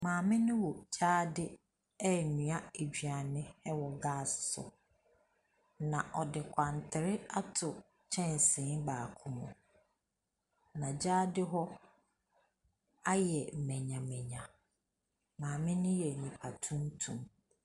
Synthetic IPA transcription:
mãː˨mɪ̃˦nʊ̃˦wɔ˨d͡ʑaː˦dɪ˦ | ɛ˦nũ˨a˦e˨d͡ʑᶣɥa˨nɪ̃˦ɛ˦wɔ˨ɡaː˦˨ssʊ̰˨ | nã˨ʔɔ˨dɪ˨kʷʰã˨n˨tʰɪ˨ɾɪ˦a˦tʰʊ˨ | t͡ɕʰɛ̃˦˨n˨sɪ̃˨˦baː˨kʰʊ˦mũ˨ | nã˨d͡ʑaː˦dɪ˦ɦɔ˦ | a˦jɛ˨m̩˨mɛ̃˨ɲã˨mɛ̃˨ɲã˨ | mãː˨mɪ̃˦nʊ̃˦jɛ˨ɲĩ˨pʰa˨tʰũ˦n˦tʰṵ̃˨m

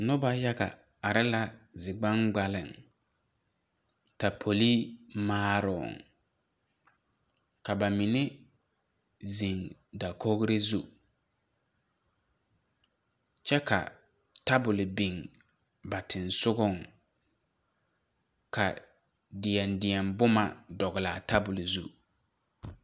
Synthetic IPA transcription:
nʊ˦ba˦ja˦ɡa̰˨ | a˨ɾɪ˦la˦zɪ˨ɡ͡ba˦ŋɡ͡ba˨lɪ̰˨ŋ | ta˨pʰo˨liː˦maː˦ɾɔ̰˨ŋ | ka˨ba˨mɪ˨ne˦ | zi˨ŋda˨kʰo˦ɣɾɪ˦zu˦ | t͡ʃɛ˦ka̰˨ | ta˦bʊ˨lɪ˨bi˨ŋ | ba˨tʰɪ˨nsʊ˦ɡʊ˦˨ŋ | ka˨ | dɪ˨ɛ˨ndɪ˨ɛ˨mbʊ˦ma˨dɔ˨ɣɪ˨laː˨ta˦bʊ˨lɪ˨zu˦

